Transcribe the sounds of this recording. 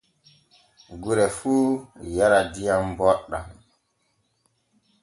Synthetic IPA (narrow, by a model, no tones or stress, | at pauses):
ɡuɾɛfuːjaɾadijambɔɗːa̰